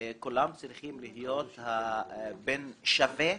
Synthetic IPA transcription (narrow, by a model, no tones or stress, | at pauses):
kulamt͡sɾiχimlihjot̪habenʃave